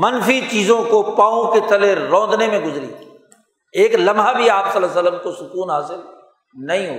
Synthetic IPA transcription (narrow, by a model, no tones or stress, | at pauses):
mɐnfit͡ʃiːzõkopaːõket̪ɐleɾɔ̃ːnd̪nemẽɡʊzɾḭ | eːklɐmɦabʱiaːpsɐləs̬ələmkosʊkuːnɦaːsɪl | nɐɦĩɦo̰ː